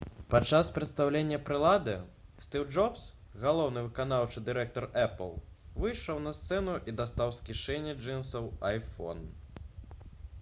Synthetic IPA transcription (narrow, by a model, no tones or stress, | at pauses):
pat͡ʂːaspɾɐt̪st̪awlʲenʲːɐpɾɨlˠad̪ɨst̪iwd͡ʐɔps | ɣalˠɔwnɨvɨkan̪awt͡ʂɨd̪ɨɾɛk̚t̪ɔrɛpə̰lˠvɨjʂɔwnɐst̪sɛnuʔid̪ast̪awskʲiʂɛnʲːɛd͡ʐɛnsɐwajfɔ̰n